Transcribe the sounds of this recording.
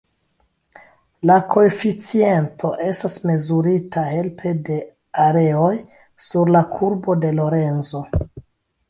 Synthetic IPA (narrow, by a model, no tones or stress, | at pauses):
lakʰo̞efit͡sie̞ntʰo̞ʔe̞stasme̞zuɾitʰahe̞lpʰe̞de̞ | aɾe̞o̞j | suɾlakʰuɾbo̞de̞lo̞ɾe̞nzo̞